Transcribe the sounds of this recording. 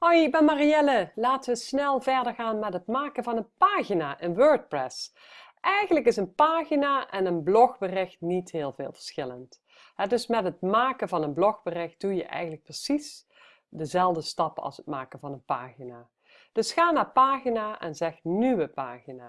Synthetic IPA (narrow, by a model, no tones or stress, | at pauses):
hojbɛmariɛləlaːtəʋəsnɛlˠvɛɹdəɹɣaːnmɛtɦətmaːkənvɑnənpaːɣinaːʔɪnʋøːɹt̚prɛs | ʔɛjɣənləkɪsənpaːɣinaːʔɛnənblɔxbərɪxtnitɦɪːlˠvɪ̰ːlˠv̥əɹsxɪlənt | ɦɛdɵsmɛtɦətmaːkənvɑnənblɔxbərɪxt̚d̥ujəʔɛ̰jɣən̩lək̚prəsis | dəzɛlˠdəstɑpɑ̰lˠsət̚maːkənvɑnənpa̰ːɣinaː | d̥ɵsxaːnaːɹpaːɣinaːʔɛ̰nzɛxnyʋəpa̰ːɣina̰ː